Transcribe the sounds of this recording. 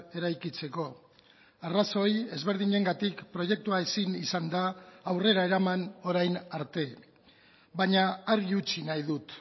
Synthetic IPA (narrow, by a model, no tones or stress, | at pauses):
e̞ɾajkit͡se̞ko̞ | araso̞je̞zβe̞ɾðiɲe̞ŋɡat̪ikpɾo̞je̞k̚t̪uaesinisand̪aːwre̞ɾae̞ɾamano̞ɾajnaɾt̪e̞ | βaɲaːɾiut͡ʃinajðut̪